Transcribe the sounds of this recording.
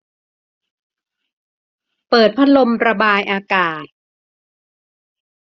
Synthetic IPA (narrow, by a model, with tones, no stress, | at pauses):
pɤː˨˩t̪̚pʰa˦˥lo˧mɾa˧baː˧jʔaː˧kaː˨˩t̪̚